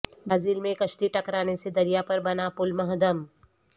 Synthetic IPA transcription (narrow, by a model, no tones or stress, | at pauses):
baːziːlmẽkɐʃt̪iʈɐkɾaːnesed̪ɐɾijapɐɾbɐnapʊlmɐɦd̪əm